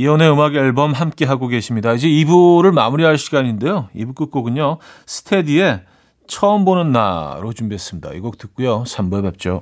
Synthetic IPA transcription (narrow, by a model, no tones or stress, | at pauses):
iʌne̞ɯmaɡʌɭbʌmɦamk͈e̞ɦaɡoɡe̞ɕʰimɲidaid͡ʑe̞ibuɾɯɭmamuɾiɦaɭɕʰiɡaɲinde̞joibuk͈ɯk̚k͈oɡɯɲosʰɯ̥tʰe̞die̞ | t͡ɕʰʌʌmbonɯnːa̰ɾot͡ɕumbiɦes͈ɯmɲida̰ḭɡʌk̚t͈ɯk͈ujosʰambuebep̚t͡ɕ͈o